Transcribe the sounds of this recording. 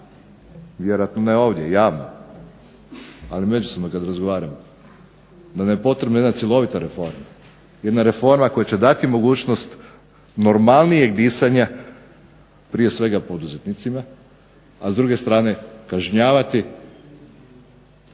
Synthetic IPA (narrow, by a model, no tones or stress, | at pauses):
ʋje̞ɾojat̪nonaeo̞ːʋd̪jejaːʋno̰ | alime̞d͡ʒusobnokad̪ɾazɡo̞ʋaːɾamo | d̪anamjepo̞t̪ɾe̞bnojed̪nat̪sjelˠo̞ʋit̪aɾefo̞ɾma | je̞d̪naɾe̞fo̞ɾmako̞jat͡ɕe̞d̪at̪imo̞ɡuːt͡ɕno̞st̪ | no̞ɾmalˠnije̞ɡd̪isaɲa | pɾije̞sʋe̞ɡapo̞d̪uzet̪nit̪sima | azd̪ɾuːɡe̞st̪ɾaːne̞kaʒɲaːʋat̪i